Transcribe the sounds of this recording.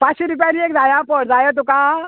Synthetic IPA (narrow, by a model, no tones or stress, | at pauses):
pãsiɾup̬aɾiekd͡zajapoɽd͡zajet̪̬uka